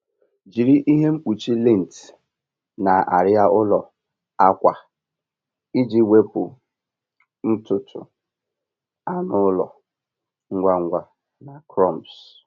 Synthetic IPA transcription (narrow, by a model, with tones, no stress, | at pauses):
d͡ʒi˨ɾi˦ʔi˦ɦe˦ŋ͡m̩˦k͡pu˨t͡ʃi˦li˦˨n̩˨t | na˨a̰˨ɾɪ˦a˦ʔʊ˦lɔ˨ | a˦kʷa˨ | i˦d͡ʒi˦we˦pʊ˨ | n̩˦tʊ˨tʰʊ̰˨ | a˦nʊ˦lɔ̰˨ | ŋ̩˦ɡʷa˦ŋ̩˦ɡʷa˦ | na˨kɾɔ˦˨mps